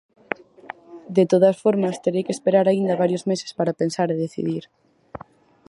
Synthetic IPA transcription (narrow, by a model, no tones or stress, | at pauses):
d̪et̪oð̞ɐsfoɾmɐst̪eɾejkeːspeɾaɾaind̪ɐβaɾjozmese̥spaɾapensaɾeðeθḭðiɾ